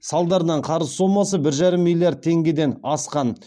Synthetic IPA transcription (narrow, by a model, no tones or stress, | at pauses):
sɑlˠd̪ɑɾənɑɴqʰɑɾəzsomːɑsəbɪɾʒɑɾəmːilʲˠjaɾd̪̚ʰe̞ŋɡʲe̞d̪e̞nɑsqɑn